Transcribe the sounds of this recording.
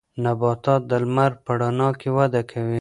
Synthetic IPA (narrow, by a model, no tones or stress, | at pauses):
nabɑt̪ɑt̪̚d̪əlmaɾpəɽɑnɑkewad̪akʰawi